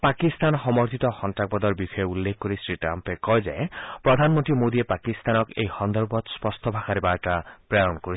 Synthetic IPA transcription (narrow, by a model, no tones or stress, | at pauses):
pakist̪anxɔmɔɾt̪ʰit̪ɔxɔntak̚bɔd̪ɔɹbixɔjeulːekʰːoɾisɹiʈɾa̰mpekɔjza̰jpɹɔd̪ʱanmɔnt̪imod̪iepakist̪anɔkḛjxɔnd̪ɔɹbɔt̪spɔst̪ʰɔbʱakaɾibaɹʈapɹaɾɔnkoɾi